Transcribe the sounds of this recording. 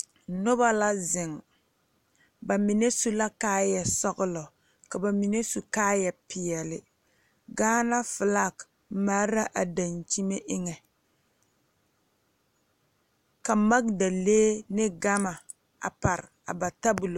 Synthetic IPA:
nʊ˦ba˦la˦zɪ˨ŋ | ba˨mi˨ne˦su˦la˦kaː˦jɛ˨sɔ˦ɣʊ˦lɔ˨ | ka˨ba˨mi˨ne˦su˨kaː˦jɛ˨pɪ˨ɛ˨lɪ˨ | ɡaː˦na˦fɨ˨la˦˨k | ma˦ɾa˦ʔa˨da˨nt͡ʃi˦me˦ʔɪ˦ŋɛ˨ | ka˨ma˦ɡ̚da˨leː˦nɪ˦ɡa˦ma˨ | a̰˨pa˨ɾɪ˨a̰˨ba˨ta˦bu˨lo˨

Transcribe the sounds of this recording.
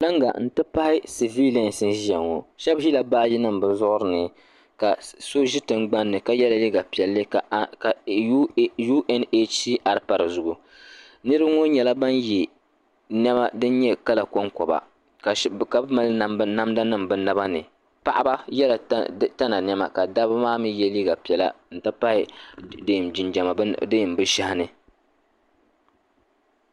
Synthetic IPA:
la˦ŋɡa̰˨n̩˦tɨ˦pa˦hɪ˦si˨vi˦lɛ˦n˨sɨ˦ʒɛ˨ŋːo̰˨ʃɛ˦bʒi˦la˨baː˦ji˦nɨ˦mbɨ˨zʊ˦ʔʊ˦ɾɨ˨nɨ˨ | ka˨so˦ʒi˦tɨ˨ŋɡ͡ba˦nːɨ˨ka˨jɛ˦la˦li˦ɡa˨pi˨ɛ˨lːɨ˦kka˨˦ | ju˦ʔɛ˦ne˦t͡ʃiː˦ʔa˨ɾɨ˦pa˨ɾɨ˨zʊ˨ɡu˨ | nɨ˦ɾɨ˦bŋo˦ɲɛ˨la˦ba˦nji˨ | nɛ˦ma˦dɨ˦n˦ɲɛ˦ka˦la˨ko˦ŋkɔ˨ba̰˨ | ka˨ka˨˦bma˦lna˦mda˦nɨ˦mbɨ˨na˦ba˦nɨ̰˨ | pa˨ʔa˦ba˦jɛ˦la˨˦ta˦na˨nɛ˦ma̰˨ka˨da˦bmaː˦mi˦jɛ˦liː˦ɡa˨pi˨ɛ˨la̰˦n̩˨ta˦pa˦ɪ˦dɨ˦˨md͡ʒi˨nd͡ʒa˨ma˨˦dɨ˦˨mbɨ˦ʃa˦ha˦nɨ˦

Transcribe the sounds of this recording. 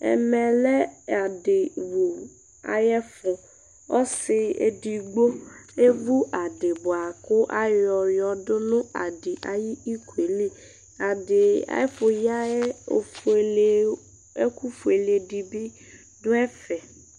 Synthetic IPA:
ɛ̰˨mɛ˨lɛ˦a˨dɪ˨wu˨ | a̰˨jɛ˦fʊ˨ | ɔ˦sɪ˦ḛ˨di˨ɡ͡bo˦e˦vu˦ʔa˨dɪ˨bʊ˨a˨kʊ˦ʔa˦jɔ˨jɔ˨dʊ˦nʊ̃˦a˨dɪ˨ʔa̰˨ji˦i˦ku˨e˨li˦ | a˨dɪ˨a̰˨jɛ˦fʊ˨ja˦ɛ˦˨f | e˦ku˦fu˨e˨le˨di˨bi˦ | dʊ˦ɛ˦fɛ˨

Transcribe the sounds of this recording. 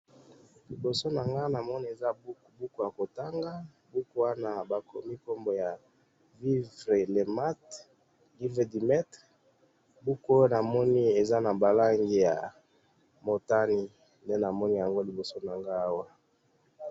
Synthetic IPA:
li˨bo˨so˦na˨ŋɡa˦na˨mɔ˦ni˦e˨za˦bu˦˨bu˦ku˨ja˨ko˨ta˦ŋɡa˦ | bu˦ku˦wa˦na˨ba˨ko˨mi˦ko˦mbo˨ja˨ | vi˦vʁe˨le˨ma˦t | li˦ve˨di˨mɛ˦t | bu˦ko˦o˦na˨mɔ˦ni˦e˨za˦na˨ba˨la˦ŋɡi˨ja̰˨ | mo˨ta˦ni˦ | nde˦na˨mɔ˦ni˦ja˨ŋɡo˦li˨bo˨so˦na˨ŋɡaː˦wa˦

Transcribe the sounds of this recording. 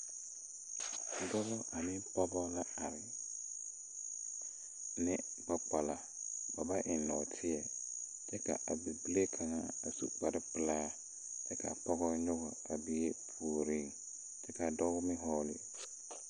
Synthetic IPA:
dɔ˦lɔ˦ʔa˨mɪ̃˦pʰɔ˦bɔ˦la˦a˨lɪ˨ | nɪ˦ | ba˦k͡pa˨la˨ | ba˨ba˦ʔɪ˨nːɔ˨tʰɪ˦ɛ˨ | d͡ʒɛ˦kʰa̰˨ʔa˨bi˨bi˦le˦kʰa˨ŋa̰˨a˨sṵ˦k͡pa˨ɾɪ˦pɪ˦la˦a˦ | d͡ʒɛ˦kʰa̰˨pʰɔ˦ɡɔ˦ɲʊ˦ɣɔ˨a˨bi˨e˦fuː˨ɾi˦˨ŋ | d͡ʒɛ˦ka˨dɔ˦wʊ˦mɪ̃˦ɦɔː˦lɪ̰˨

